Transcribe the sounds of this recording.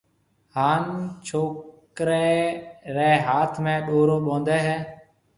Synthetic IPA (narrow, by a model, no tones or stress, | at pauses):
haːnt͡ʃʰoːk | ɾeːɾɛːɦaːt̪ʰmẽːɗoːɾoːɓõːnd̪ɛːɦɛː